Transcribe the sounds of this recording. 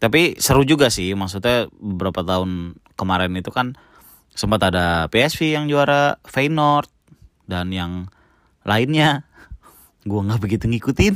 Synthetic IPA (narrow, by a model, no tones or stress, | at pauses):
t̪apisəɾud͡ʒuɡasɪhmaksut̪̬̚ɲabəbəɾapat̪aʊnkəmaɾɛnit̪ukan | səmpat̪adapeɛsfijaŋd͡ʒuaɾafeinɔrt̪̚ | danjaŋ | laɪnɲa | ɡuaŋɡahbəɡit̪uŋikut̪ɪn